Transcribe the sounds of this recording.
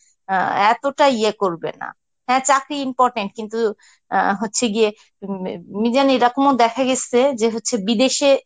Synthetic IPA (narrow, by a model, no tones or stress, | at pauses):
ɛt̪oʈaiekoɾbḛna̰ | ɦɛ̃t͡ɕakɾiimpɔɾʈeɳʈ̚kint̪u | ɦotːɕʰeɡie | mid͡ʑaneɾakomod̪ɛkʰaɡesed͡ʑeɦotːɕʰebid̪eʃe